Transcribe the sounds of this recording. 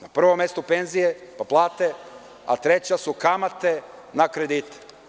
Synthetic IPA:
napr̩ʋomːest̪ope̞nzijepaplˠaːt̪e | a̰t̪ɾet͡ɕasukamat̪e̞nakɾe̞d̪it̪

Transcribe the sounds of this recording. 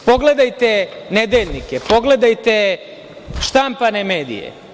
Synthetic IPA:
po̞ɡle̞d̪ajt̪ened̪e̞ʎʲnikepo̞ɡle̞d̪ajt̪e̞ | ʃt̪ampaneme̞ːd̪ḭjḛ

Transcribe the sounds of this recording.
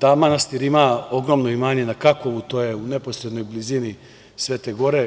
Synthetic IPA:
d̪amanast̪iɾimao̞ɡɾo̞mnoimaːɲe̞nakako̞ʋut̪o̞jeunepo̞sɾed̪no̞jblizini | sʋeːt̪e̞ɡo̞ɾe

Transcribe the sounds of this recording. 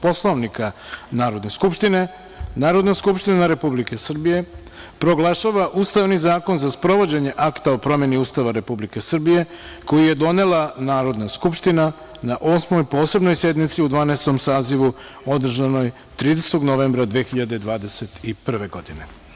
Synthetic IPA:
po̞slˠoʋnikanaːɾo̞d̪ne̞skupʃt̪ine̞ | naːɾo̞d̪naskupʃt̪inaɾe̞publike̞sr̩bije̞ | pɾo̞ɡlaʃaʋaʔust̪aʋnizaːko̞nzaspɾo̞ʋo̞d͡ʑe̞ɲe̞ʔakt̪aopɾo̞mje̞niuːst̪aʋaɾe̞publike̞sr̩bije̞ | ko̞jije̞d̪o̞ne̞lanaːɾo̞d̪naskupʃt̪ina | naʔo̞ːsmo̞jpo̞ːse̞bno̞jsje̞d̪nit̪siud̪ʋaːnest̪omsaːziʋu | o̞d̪r̩ʒano̞j | t̪ɾiːd̪eset̪o̞ɡnoʋeːmbɾad̪ʋeːxiʎad̪ed̪ʋaːd̪e̞se̞t̪ipr̩ʋe̞ɡo̞d̪ine̞

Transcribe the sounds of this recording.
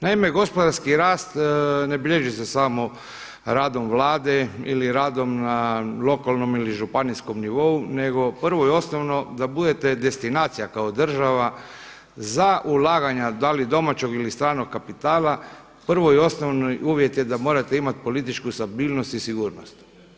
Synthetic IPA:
naime̞ɡo̞spo̞d̪aɾskiɾaːst̪ne̞biʎeʒisesamo̞ | ɾaːd̪o̞mʋlaːd̪eḭliɾaːd̪o̞mnalo̞kalˠno̞miliʒupanisko̞mniʋo̞une̞ɡo̞pr̩ʋojeo̞snoʋno̞d̪abud̪et̪e̞d̪e̞st̪inaːt̪sijakaod̪r̩ʒaʋa | zaʔulaːɡaɲad̪alid̪o̞mat͡ɕo̞ɡilist̪ɾaːno̞ɡkːapit̪aːla | pr̩ʋoio̞snoʋnojuːʋje̞t̪je̞d̪amo̞ːɾat̪eimat̪po̞lit̪it͡ʃkust̪abiːlnost̪isiɡuːɾnost̪

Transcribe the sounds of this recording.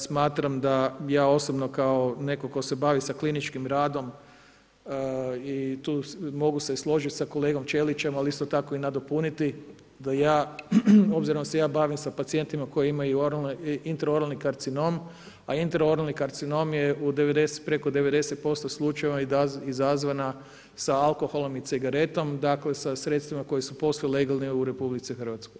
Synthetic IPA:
smaːt̪ɾamd̪ajaːo̞sobno̞kao̞ne̞ko̞ko̞se̞baːʋisaklinit͡ʃkimɾaːd̪o̞m | it̪uːmo̞ɡuseslˠo̞ʒit̪ʲsako̞leːɡo̞mt͡ʃelit͡ʃe̞malist̪o̞t̪ako̞inad̪o̞punit̪i | d̪ajaː | o̞bziɾond̪asejaːbaːʋimsapat̪sie̞nt̪imako̞jeimajuoɾalint̪eɾoɾalnikaɾt̪sino̞m | aint̪eɾo̞ɾalnikaɾt̪sino̞mjeud̪e̞ʋe̞d̪ese̥t̪pɾe̞kod̪e̞ʋe̞d̪e̞set̪̚po̞st̪oslˠut͡ʃajeʋaizazʋana | saalˠko̞xo̞lˠo̞mit̪siɡaɾe̞t̪o̞md̪akle̞sasɾet̪st̪ʋimako̞jesupo̞slˠjle̞ɡalˠniuɾe̞publit̪sixr̩ʋat̪skoj

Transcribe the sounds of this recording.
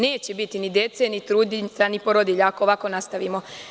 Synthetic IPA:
ne̞ːt͡ɕebit̪inid̪je̞t̪senit̪ɾuːd̪isanipoɾod̪iʎaakooʋako̞nast̪aʋimo̞

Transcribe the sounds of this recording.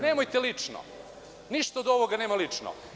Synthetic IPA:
neːmojt̪elit͡ʂno̰ | niʃt̪aod̪o̞ʋoɡane̞ːmalit͡ʂno̰

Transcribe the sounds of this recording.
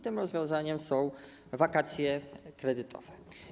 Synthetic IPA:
t̪ɘmɾɔzvʲjɔ̃w̃zaɲɛmsɔ̃w̃ | vakat̪sʲjɛkɾɛd̪ɘt̪ʰɔ̰v̥ɛ

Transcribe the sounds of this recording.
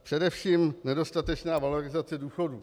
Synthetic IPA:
pr̥ɛdɛfʃiːmnɛdo̞st̪at̪ɛt͡ʃnaːvaloɾɪzat͡sɛduːxo̞duː

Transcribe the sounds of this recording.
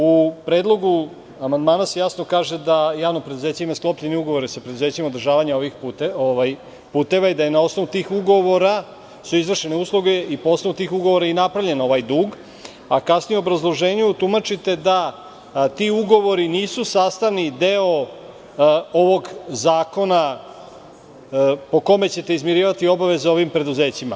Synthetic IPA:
upɾed̪lˠo̞ɡu | amand̪maːnasejasno̞kaːʒe̞d̪ajaːʋnopɾed̪uze̞ːt͡ɕeimasklo̞pʎe̞niuɡo̞ʋo̞ɾisapɾe̞d̪uze̞ːt͡ɕimaod̪ɾrʒaːʋaɲaoʋixp̪ːoʋaj | puːt̪e̞ʋaid̪ajenao̞sno̞ʋut̪iːxuɡoʋo̞ɾa | suizʋr̩ʃe̞neuːslˠuɡe̞ipoosnout̪iːxuɡo̞ʋoɾainapɾaʋʎe̞no̞ʋajd̪uːɡ | akasnijuobɾazlˠo̞ʒe̞ːɲuut̪umat͡ʃit̪e̞d̪a | t̪iuɡo̞ʋo̞ɾiniːsusaːst̪aʋnid̪eo | oʋo̞ɡzaːko̞na | po̞ko̞me̞t͡ɕe̞t̪e̞izmjeɾiːʋat̪io̞baʋe̞zeo̞ʋimpɾe̞d̪uze̞ːt͡ɕima̰

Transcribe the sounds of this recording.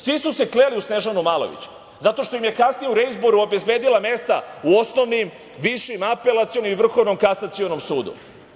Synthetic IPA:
sʋisuse̞klealiusne̞ʒanumaːlo̞̰ʋḭt͡ɕu̥ | zat̪o̞ʃt̪o̞imje̞kasnijeuɾeizboɾuo̞bezbe̞ːd̪ilˠame̞st̪a̰uo̞sno̞ʋnim | ʋiʃimape̞lˠat̪sio̞nomiʋr̩xo̞ʋno̞mkasat̪sio̞no̞msuːd̪ṵ

